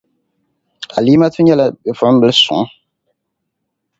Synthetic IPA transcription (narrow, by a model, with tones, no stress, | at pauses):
a˨liː˦ma˦tu˦ɲɛ˦la˦bɛ˨fʊ˨˦m̩˦bɨ˦lsʊ̰˨˦